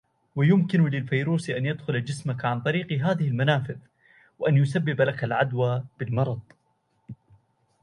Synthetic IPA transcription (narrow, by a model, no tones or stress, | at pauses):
wajʊmkɪnʊlɪlfajɾuːsʔanjad̪xʊlad͡ʒɪsmakʕant̪ˤɑɾiːqɦaːðɪhɪlmanaːfɪð | wɪʔanjʊsabːɪblakalʕad̪waːb̥ɪlmɑɾˤɑd̪ˤ